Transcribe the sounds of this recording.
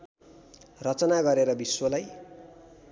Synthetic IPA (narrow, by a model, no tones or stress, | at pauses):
rʌt͡sʌnaɡʌɾeɾʌbiswʌlaj